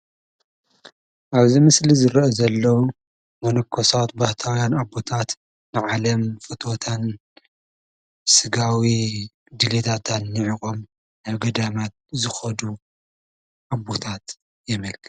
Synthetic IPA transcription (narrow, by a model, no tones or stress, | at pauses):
ʔaβzimɨslizɨɾɐozɐlːɐw | mɐnɐkʰːosat̪baht̪ʰawjanabot̪ʰat̪ | nɨʕalɐmfɨt̪ʰo̞t̪ʰan | sɨɡawi | d̪ɨlet̪ʰat̪ʰanːɨʕikʼom | naβɡɐd̪amat̪̚zɨxɐd̪u | ʔabːot̪ʰat̪ | jɛmɐlkʰɨ̥t̪